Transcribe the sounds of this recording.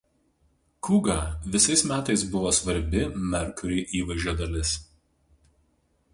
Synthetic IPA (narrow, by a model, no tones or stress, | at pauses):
kʊːɡɑːʋʲɪsɐɪsmʲæːt̪ɐɪsbʊʋoːsʋɐɾʲbʲɪmʲɛɾkʊɾʲɛɪʔiːʋɐʒʲuɔd̪ɐlʲɪs